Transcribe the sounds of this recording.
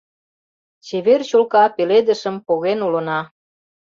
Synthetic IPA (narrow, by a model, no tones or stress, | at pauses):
t͡ɕeβert͡ɕolkɑpeled̪ə̆ʃəmpoɣenulə̆nɑ